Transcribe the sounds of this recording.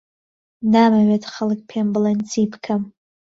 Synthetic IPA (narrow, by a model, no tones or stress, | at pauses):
namaɥatʰχəlɨkʲʼpʰemblant͡sʰipʰkʰam